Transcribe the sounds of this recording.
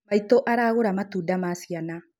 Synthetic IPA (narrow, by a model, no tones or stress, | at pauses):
maitoʔaɾaːɣoɾamatudamasiana